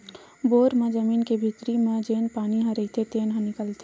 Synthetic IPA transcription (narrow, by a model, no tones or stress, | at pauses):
boːɾmẽd͡ʒəmiːnkebʱit̪ɾimẽd͡ʒeːnpaːniɦə̃ɾəɪt̪ʰet̪eːnɦə̃nɪkəlt̪ʰe